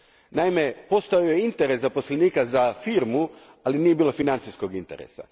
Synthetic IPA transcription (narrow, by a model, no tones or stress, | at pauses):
naime̞po̞st̪aojeint̪eɾeszapo̞sleniːkazafiɾmu | alinije̞biːlo̞finant̪sisko̞ɡint̪e̞ɾḛsa̰